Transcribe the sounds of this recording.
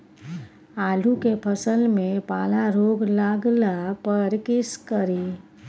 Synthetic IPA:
aːlukepʰəsəlmẽpaːlaɾoːɡlaːɡlapəɾkɪskəɾiː

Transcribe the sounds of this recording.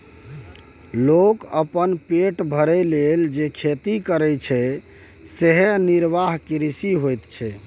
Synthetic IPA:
lokəpənpeʈbʱəɾɛleld͡ʒekʰet̪ikəɾɛt͡ʃʰɛ | seɦeniɾbaɦkiɾisiɦojt̪t͡ʃʰɛ

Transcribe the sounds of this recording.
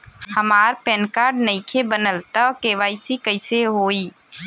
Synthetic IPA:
həmaːɾpɛ̃ːnkaːɾɖnəɪkʰebənəlt̪əkeːʋaːisikəɪseɦoːiː

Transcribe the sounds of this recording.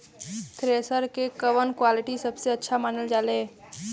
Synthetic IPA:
kɾesəɾkekəʋənkwalɪʈisəbseɐtːʃʰamaːnəld͡ʒaːleː

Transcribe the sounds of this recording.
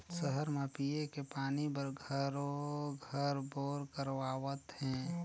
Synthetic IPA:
səɦəɾmepiekepaːnibəɾɡʱəɾoɡʱəɾboːɾkəɾʋaːwət̪hɛ̃

